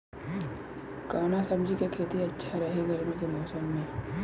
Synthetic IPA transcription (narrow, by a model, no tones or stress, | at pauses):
kaːnasɐbd͡ʒʱikekʰeːt̪iɐtːʃʰaɾɐɦeɡʱɐɾmikemɔːsəmːẽː